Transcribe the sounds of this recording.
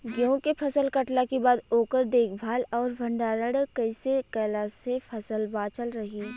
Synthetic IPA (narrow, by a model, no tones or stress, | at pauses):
ɡəõkepʰɐsəlkɐʈlakebaːd̪oːkəɾd̪eːkʰbʱaːlɔːɾbʱɐ̃ɳɖaːɾəɽkɐɪsekɛːlasepʰɐsəlbaːt͡ʃəlɾɐɦiː